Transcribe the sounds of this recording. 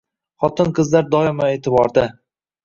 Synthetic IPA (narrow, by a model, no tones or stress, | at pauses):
χɒt̪ɪnqʰɨzlaɾd̪ɒɪmaeːt̪ʰɪbɒɾd̪ɪ